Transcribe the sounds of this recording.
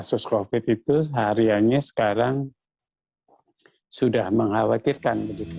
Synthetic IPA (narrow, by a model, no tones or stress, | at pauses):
sʊskofɪt̪it̪uɦaɾiaɲasə̥kaɾaŋ | sudahməŋhawat̪irkanbəɡit̪u